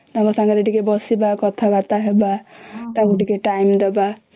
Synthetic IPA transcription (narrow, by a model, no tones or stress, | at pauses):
t̪ãŋɡɔsãŋɡaɾeʈikebɔsibakɔt̪ʰabat̪aɦebatãɡuʈikeʈajmd̪ɔba